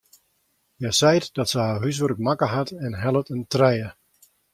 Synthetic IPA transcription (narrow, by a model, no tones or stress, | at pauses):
jɛsɛjtdɔtsəhaɦys̬ʋərək̚makəɦatɛnɦɛlˠətəntrɛjə